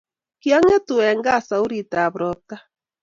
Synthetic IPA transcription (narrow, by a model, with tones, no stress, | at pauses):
kja˦ŋɛ˦tu˨ɛ˨ŋɡa˦˨sa˨u˦ɾi˨ta˨βɾɔ˨ta˦